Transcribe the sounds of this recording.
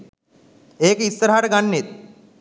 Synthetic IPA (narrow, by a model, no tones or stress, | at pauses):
eːkeisːəɾaɦaʈəɡanːet̪̚